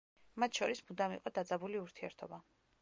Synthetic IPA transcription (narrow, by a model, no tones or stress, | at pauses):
mat̪ʰʃɔɾismud̪amḭqʼɔd̪ad̪zabuliuɾt̪ʰiɛ̰ɾt̪ʰɔba